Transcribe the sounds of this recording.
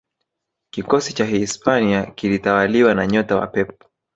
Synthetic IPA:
kikɔsit͡ʃaɦispaniakilitawaliwanaɲɔtawa̰pɛp̚ɔ̥

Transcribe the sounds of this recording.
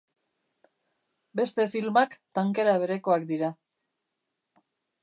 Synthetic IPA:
be̞st̪e̞filmakt̪aŋke̞ɾaβ̞e̞ɾe̞ko̞akd̪iɾa

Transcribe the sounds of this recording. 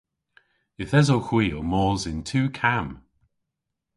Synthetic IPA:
ɪθɛzowxwiːomɔːzɪntʰuːkʰam

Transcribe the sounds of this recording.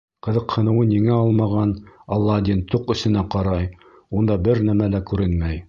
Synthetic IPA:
qɤ̆ðɤ̆qhɤ̆nɤ̆wɤniŋæɑlˠmɑʁɑnɑlˠːɑd̪int̪uqɵ̆sɘ̆næqɑɾɑj | und̪ɑbɘɾnæmælækʉɾɘnmæj

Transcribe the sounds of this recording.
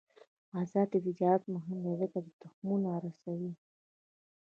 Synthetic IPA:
azɑd̪əvɪd̪jɑɾat̪mʊɦɪmd̪aləkad̪ət̪ʊxmunaɾasawi

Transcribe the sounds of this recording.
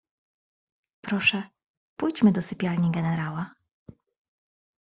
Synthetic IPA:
pɾɔʂɛ | pujt͡ɕmɘd̪ɔsɘpʲjalɲiɡɛnɛɾawa

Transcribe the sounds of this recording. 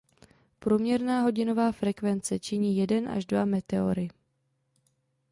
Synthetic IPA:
pɾuːmɲɛɾnaːɦo̞ɟɪno̞vaːfɾɛkvɛnt͡sɛt͡ʃɪɲiːjɛdɛnʔa̰ʒdvamɛt̪ɛo̞̰ɾɪ

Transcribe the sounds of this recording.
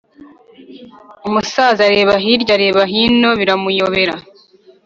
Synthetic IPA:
umusaːzaɾe̞ːβaɦiɾɟaɾe̞ːβaɦiːno̞βiɾamujo̞βe̞ɾa

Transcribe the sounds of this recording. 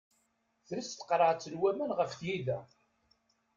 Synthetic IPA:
θɾist̪ə̥qɾˤəʕt͡sːəlwæmænʁəfθjiðæ

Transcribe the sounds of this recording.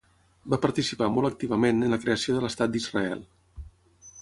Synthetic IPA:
bapəɾt̪isipamɔlək̚t̪iβəmenənləkɾeəsioðələst̪at̪̚d̪izrəɛ̰lˠ

